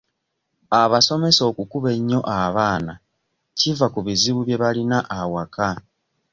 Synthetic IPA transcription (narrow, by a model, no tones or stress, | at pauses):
aβaso̞me̞so̞ːkukuβe̞ɲːo̞ʔaβaːna | civakuβiziβuβje̞βalinaʔawaka